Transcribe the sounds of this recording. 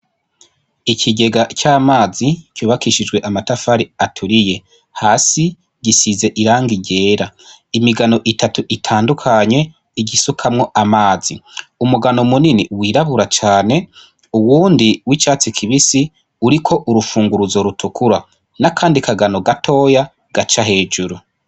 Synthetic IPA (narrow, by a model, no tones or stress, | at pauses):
icʰiɟe̞ɡat͡ʃaːmaːzicjuːβakiʃid͡ʒɡwe̞ʔamatafaɾiatʰuɾije̞ | haːsi | ɟisize̞ʔiɾaːŋɡiɟe̞ːɾa | imiɡano̞ʔitatuʔitʰaːndukʰaɲe̞ | iɟisukʰamŋo̞ʔamaːziumuɡanomuniniwiːɾaβuɾat͡ʃaːne̞ | uwuːndiwit͡ʃaːt͡sikʰiβisi | uɾikʰo̞ʔuɾufuːŋɡuɾuzoɾutʰukʰuɾa | nakʰaːndikʰaɡano̞ɡatʰo̞ːja | ɡ̥at͡ʃahe̞ːd͡ʒuɾu